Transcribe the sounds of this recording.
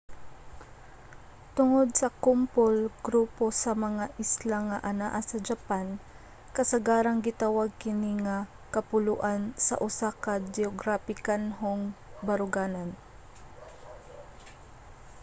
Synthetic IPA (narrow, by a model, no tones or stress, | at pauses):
t̪ʊŋod̪̚sɐkʊmpolɡɾuːposɐmɐŋaʔɪslaŋɐʔɐnaʔasɐd͡ʒɐpan | kɐsɐɡaːɾɐŋɡɪt̪awaɡ̚kɪniŋɐ | kɐpʊlʊʔansɐ̰ʔʊsakɐd͡ʒɛoɡɾapɪkanɦoŋbɐɾʊɡaːnɐn